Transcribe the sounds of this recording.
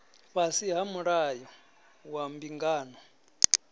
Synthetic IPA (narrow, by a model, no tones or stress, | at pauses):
ɸasiɦamuɺajɔ | wambiŋɡaːnɔ